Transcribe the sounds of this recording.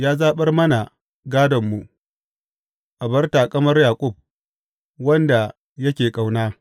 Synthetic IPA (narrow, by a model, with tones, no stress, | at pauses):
jaː˦zaː˦ɓɐ˦rmɐ˦na˨ | ɡaː˦dɐ˨mːu˨ʔ | ʔa˨bɐ˦rtaː˨kʼɐ˦mɐ˦rjaː˨kʷʼʊ˦˨b̚ | wɐ˦nda˨ | jɐ˦kʲeː˨kʼa˨wnaː˦